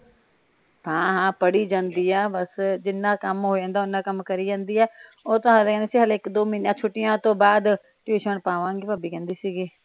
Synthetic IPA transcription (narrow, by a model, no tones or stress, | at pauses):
hãːɦãːpəɽiːd͡ʒãːnd̪iːɛːbəsd͡ʒɪnːãːkəmɦoːd͡ʒãːnd̪aːʊnːãːkəmkəɾiːd͡ʒãːnd̪iːɛː | oːt̪ʊãːlkɛ̃ːnd̪eːsiːɦəlːɪkd̪oːmiːnjãːt͡ʃʰʊʈːɪjãːt̪õːbaːd̪ | ʈuːʃənpaːʋãːŋɡeːpaːbiːkɛ̃ːnd̪iːsiːɡeː